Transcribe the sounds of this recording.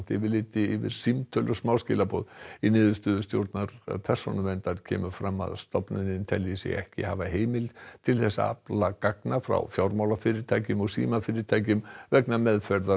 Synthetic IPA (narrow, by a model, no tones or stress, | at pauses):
t̪ɪvɪlɪːt̪ɪɪvɪ̰ðsimt̪ʰœlʏsmaːwscɪ̰ːlapɔðinɪːðʏ̥st̪ʏːðʏst̪jo̰wɾt̪naɾpʰɛr̥sɔnʏmɛnt̪aðcʰɛ̰ːmʏfɾamːa̰ðst̪ɔpnʏðnɪnt̪ʰɛlisɪ̰ɣɛhcɪ̰havaɦeːjmɪlt̪ʰɪlθɛsa̰a̰plakaknafɾa̰wfjawɾmawlafɪɾɪɾt̪ʰaːjcʏmɔɣsḭːmafɪːɾɪɾt̪ʰaːjcʏmvɛknamɛðfɛɾða